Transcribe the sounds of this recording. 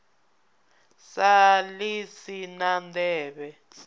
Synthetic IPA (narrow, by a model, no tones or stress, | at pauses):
salisinandɛːɓɛ